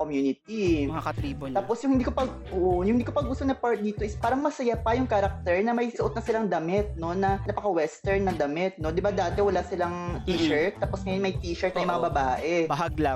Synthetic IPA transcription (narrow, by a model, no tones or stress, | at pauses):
komjuːnɪt̪̚iaɐt̪ip̪aːpo̞sjʊŋhɪnd̪iːkopɐɡ | ʔoʔojʊŋɪnd̪ikopɐɡʊst̪onɐpaɹt̪̚d̪iːt̪o̞ʔɪspaːɾɐŋmɐsɐjapɐjʊŋkɐɾɐk̚t̪ɛɹnɐmɐjsʊʔot̪̚nɐsɪlaŋd̪ɐmɪt̪̚no̞nɐnɐpɐkɐwɛst̪ɛɹnːɐŋd̪ɐmɪt̪̚no̞d̪ɪbad̪aːt̪ɛwɐlasɪlaŋt̪iːɛɹt̪̚ːaːpo̞sŋɐjonmɐjt̪iːʃɛɹt̪nɐjmɐŋɐabɐbaːʔɛbɐɦaɡla